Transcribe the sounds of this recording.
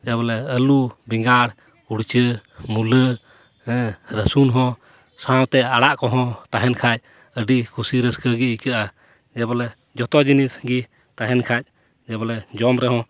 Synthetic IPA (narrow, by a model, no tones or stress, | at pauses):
d͡ʒɛbɔlɛəlubiŋɡaɽ | uɽt͡ʃəmulə | ɛɾəsunɦɔ̃ | sãwt̪ɛaɽaʔkɔɦɔ̃t̪aɦɛnkʰac̚ | əɖikʰusiɾəskəɡiikəʔa | d͡ʒɛbɔlɛ | d͡ʒɔt̪ɔd͡ʒinisɡi | t̪aɦɛnkʰac̚ˀ | d͡ʒɛbɔlɛd͡ʒɔmɾɛɦɔ̃